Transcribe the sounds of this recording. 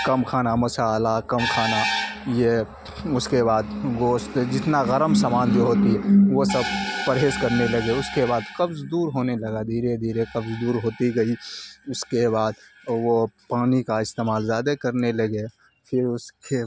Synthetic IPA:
kɐmkʰaːnamɐsaːlakɐmkʰaːnaje | ʊskebaːd̪ɡoːst̪d͡ʒɪt̪naɣəɾəmsaːmaːnd͡ʒoːɦoːt̪iɦɛʋosɐbpəɾɦeːskɐɾnelɐɡeʊskebaːd̪kɐbzd̪uːɾɦoːnelɐɡad̪ʱiːɾed̪ʱiːɾekɐbzd̪uːɾɦoːt̪iɡɐiʊskebaːd̪wopaːnikaɪst̪eːmaːlzjaːd̪akɐɾnelɐɡe | pʰɪɾʊske

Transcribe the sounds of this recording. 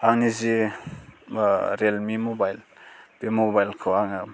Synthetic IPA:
aŋnizi | ɾelmimobajlpimobajlkʰɯwaŋ

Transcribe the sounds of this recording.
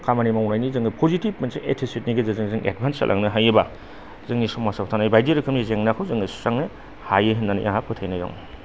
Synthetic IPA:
kʰamanimawnajnizɯŋɯpʰozitib̚mɐnseʔetʰisit̚niɡezɯzɯŋzɯŋʔḛd̚bʱansa̰lʔa̰ŋnɯɦajɯba | zɯŋnisɔmːasawtʰanajbajdiɾɯkʰɯmnizeŋnakʰɯwzɯŋɯssaŋnɯ | hajɯɦɯnːanḭjʔaɦapʰɯtʰajnajɔ̰ŋn

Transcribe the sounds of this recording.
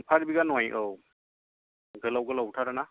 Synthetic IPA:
pʰaɾbiɡanɔajʔɯw | ɡɯlawɡɯlawtʰaɾana

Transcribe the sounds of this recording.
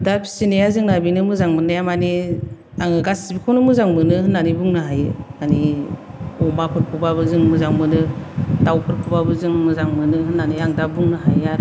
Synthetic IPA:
dapʰi̥sinejazɯŋnabinɯmɯzaŋmɯnajamani | aŋɯɡasibikʰawnɯmɯzaŋmɯnɯhɯnːanibuŋnɯɦajɯmani | ɔmapʰɯɾpʰubabɯzɯŋmɯzaŋmɯnɯtawpʰɯɾpʰubabɯzɯŋmɯzaŋmɯnɯhɯnːaniaŋdabuŋnɯɦajaɾ

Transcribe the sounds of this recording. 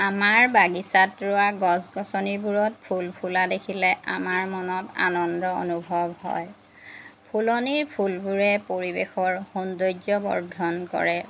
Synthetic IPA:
amaɹbaɡisatɹʊaɡɔsɡɔsɔniɹbuɹɔtpʰulpʰuladekʰilɛʔa̰maɹmɔnɔta̰nɔndɔo̰nubʱɔbhɔ̰j | pʰulɔniɹpʰulbuɹɛpoɹibexɔɹxundojd͡ʒɔbɔ̰ɹdʱɔnkɔ̰ɹɛ

